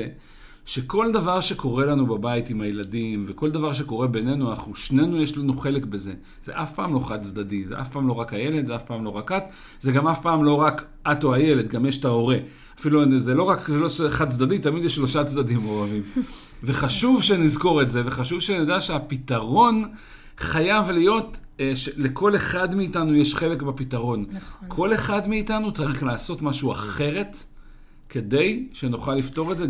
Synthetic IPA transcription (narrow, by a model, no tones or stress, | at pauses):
e | ʃe̞ko̞ld̪avaʁʃe̞ko̞ʁe̞lanubabaitimajeladimve̞ko̞ld̪avaʁʃ̬eko̞ʁe̞be̞ne̞nuanaχnuʃne̞nujeʃlanuχe̞le̞kbe̞ze̞ | z̥e̞̰ʔafpaːmlo̞χad̪̚t͡sd̪adizeʔa̰fpaːmlo̞ʁakaje̞le̞t̪zeafpaːmlo̞ʁakat̪ | ze̞ɡamafpaːmlo̞ʁak | atoaje̞letɡamjeʃtao̞ʁe̞ | afiluzelo̞ʁakloeχad̚t͡sd̪adit̪amid̪jeʃːlo̞ʃat͡sdadimoʁavim | ve̞χaʃuvʃenizko̞ʁe̞tze̞ve̞χaʃuvʃenedaʃeapitaʁo̞n | χajavlijo̞tʃele̞kʰo̞le̞χadmiːtanujeʃχe̞lekbapitaʁo̞nkʰo̞le̞χadmiːtanut͡saʁiχlaːso̞tmaʃua̰χe̞ʁe̞t | kʰe̞de̞jʃenuχalifto̞ʁetze